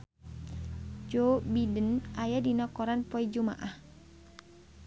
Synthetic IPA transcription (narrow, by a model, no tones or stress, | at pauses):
d͡ʒɔbidənʔajadinɔkɔɾanpɔid͡ʒuma̰ʔah